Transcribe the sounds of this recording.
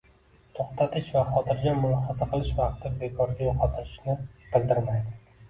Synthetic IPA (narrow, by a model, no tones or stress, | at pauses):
t̪ʰoχt̪ʰat̪ʰɪʃvaχɒt̪ʰɪɾɡʲamʊlˠɒhɒzaqʰɨlˠɪʃvɑqt̪ʰɪbe̞kʰɒɾɡʲajoqʰɒt̪ʰɪɪʃnɪb̥ɪlˠd̪ɪɾmajd̪ɪ